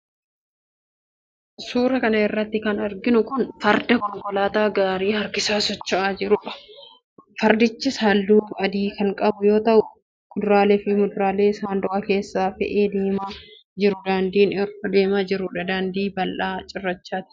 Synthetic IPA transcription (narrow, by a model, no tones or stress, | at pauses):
suːɾɐkɐnɐɪrːɐt̪ːɪkɐnɐɾɡɪnʊkʊnfɐɾd̪ɐkɔŋkɔlaːt̪aːɡaːɾiːhɐɾkɪsaːsɔt͡ʃːɐʔaːd͡ʒɪɾʊᶑɐ̥ | fɐɾd̪ɪt͡ʃːɪsaːlːuːfɐd̪iːkɐŋkʼɐbʊjo̞ːt̪ɐʔʊ | mʊd̪ʊɾaːlefɪmʊd̪ʊɾaːle̞ːsaːnd̪ʊʔɐke̞ːsːaːfɪ̰ʔeːd̪eːma | d͡ʒɪɾʊd̪aːnd̪iːnɪɾkɔd̪e̞ːmaːd͡ʒɪɾʊᶑɐd̪aːnd̪iːbɐlʔaːt͡ʃʼɪrːɐt͡ʃːaːt̪ɪ̥